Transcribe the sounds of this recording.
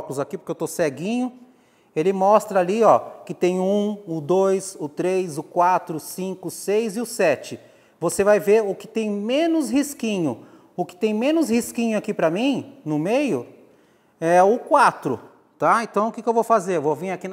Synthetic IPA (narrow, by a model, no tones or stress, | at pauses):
kʊlʊzakipʊɾkewt̪osɛɡĩɲʊ | elɪmɔst̪ɾɐaliɔkɪt̪ẽj̃ʊũʊd̪ojzʊt̪ɾejzʊkwat̪ɾʊsĩkʊsejzɪʊsɛt͡ʃɪ | vosevajveɾʊkɪ̥t̪ẽj̃mẽnʊzhiskĩɲʊ | ʊkɪ̥t̪ẽj̃mẽnʊzhiskĩɲʊakipɾɐmĩnʊmejʊ | ɛʊkwat̪ɾʊ | t̪aẽnt̪ɐ̃w̃ʊkɪkɪewvowfazeɾewvovĩɲakin